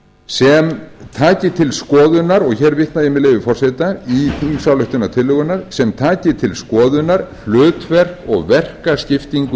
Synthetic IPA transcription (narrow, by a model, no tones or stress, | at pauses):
sɛmt̪ʰaːcɪt̪ʰɪlskɔːðʏnaɾɔɣçɛːɾvɪht̪najɪmɛɪleːvʏfɔr̥sɛt̪aihimsawlœht̪ʏnat̪ʰɪlːʏɣʏnaɾ̥sɛmt̪ʰaːcɪt̪ʰɪlskɔːðʏnaɾ̥l̥œːt̪vɛr̥kɔɣvɛr̥kascɪft̪iŋk